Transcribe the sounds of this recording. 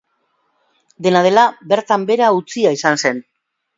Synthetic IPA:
d̪e̞nað̞e̞labe̞ɾt̪ambe̞ɾaut͡siaisanse̞n

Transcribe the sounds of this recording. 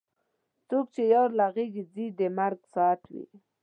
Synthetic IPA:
t͡sok̚t͡ʃejɑɾlaɣeɡid͡zid̪emaɾɡsɑt̪wḭ

